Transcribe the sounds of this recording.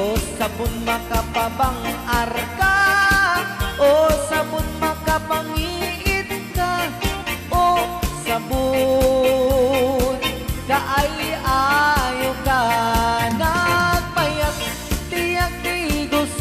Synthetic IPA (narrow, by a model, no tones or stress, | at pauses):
t̪kabʊnmakapabaŋarka | ʔosabʊnmakapaŋiʔɪt̪ka | ʔosabu | t̪kaʔajajoka | nak̚pajak̚ | t̪ɪjak̚d̪iɡʊs